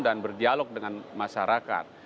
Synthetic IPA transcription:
danbərdialɔk̚dəŋanmaʃaɾaka̰t̪̚

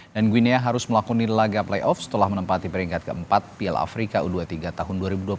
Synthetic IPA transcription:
danɡwineaɦaɾʊsməlakunilaɡaplajʔɔfsə̥t̪əlahmənəmpat̪ipəɾiŋkat̪̚kəəmpat̪̚piɛla̰fɾikauduat̪iɡat̪aɦʊnduaɾibudua

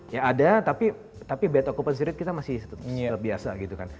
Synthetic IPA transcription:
jaːdat̪api | t̪apibaat̪okopəns̬iɾɪt̪̚kit̪amasɪst̪əbiasa̰ɡit̪ukan

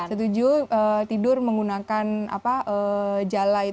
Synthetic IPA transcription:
sət̪ud͡ʒuʔət̪idʊrməŋɡunakana̰paʔəd͡ʒalai

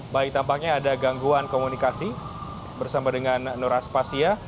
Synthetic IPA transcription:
baɪk̚t̪ampak̚ɲaːdaɡaŋɡuankomunikasi | bərsamadəŋanːɔɾaspasia

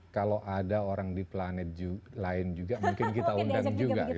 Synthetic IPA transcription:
kaloʔadaoɾaŋdiplanɛt̪̚d͡ʒulaɪnd͡ʒuɡamuŋkɪnkit̪aund̪aŋd͡ʒuɡa

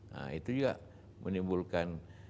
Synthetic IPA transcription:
ə̰it̪ud͡ʒuɡa̰ʔ | mənimbulkan

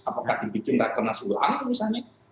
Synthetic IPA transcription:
apakaʔd̪̥ibikɪndakərnasula̰ʔanmisalɲa

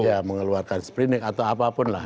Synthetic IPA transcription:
jaməŋəluarkanspɾinɪkat̪awapapʊnla̰h

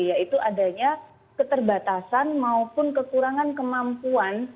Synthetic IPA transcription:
jait̪uʔadaɲa | kət̪ərbat̪asanmaupʊnkəkuɾaŋankəmampuan

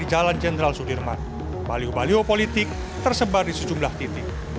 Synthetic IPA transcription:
id͡ʒaland͡ʒenəɾalsudirma̰n | baliobaliopolit̪ɪk̚ | t̪ərsəbardisəd͡ʒumlaht̪it̪ɪk̚

